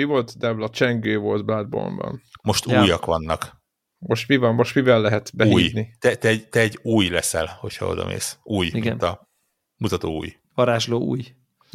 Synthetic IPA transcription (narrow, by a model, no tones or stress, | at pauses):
ivo̞lt̪d̪ɛblɒt͡ʃɛŋɡøːvo̞lt̪bad̪̚bo̰mbɒ̰nmo̞ʃt̪uːjɒkʋɒnːɒk | mo̞ʃt̪mivɒmːo̞ʃt̪mivɛlːɛɦɛt̪bɛuiːj̪nit̪ɛt̪ɛɟt̪ɛɛɟuːjlɛsɛlho̞chɒ̰o̞̰d̪ɒ̰mʔḛːsuːjiɡnt̪ɒ | mut̪ɒt̪oːṵːj | ʋɒɾaːʒloːṵːj